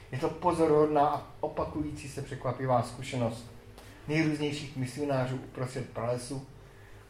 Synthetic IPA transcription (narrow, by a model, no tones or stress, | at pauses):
jɛt̪o̞po̞zo̞ɾɦodnaːʔaʔopakujiːt͡sisɛpr̝̥ɛkvapɪvaːskuʃɛno̞st̪ | nɛjɾuːzɲɛjʃiːxmɪsɪo̞naːr̝uːʔupɾost̪r̥ɛt̪̚pɾalɛsu